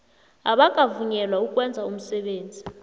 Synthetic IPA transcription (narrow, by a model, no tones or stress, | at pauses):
aɓakʼavuɲɛlwaukʼwɛnd͡zʱaum̩sɛɓeːnd͡zʱi